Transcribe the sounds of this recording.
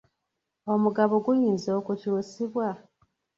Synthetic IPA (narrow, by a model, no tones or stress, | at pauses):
o̞muɡaβoɡujiːnzo̞ːkucuːsiβwa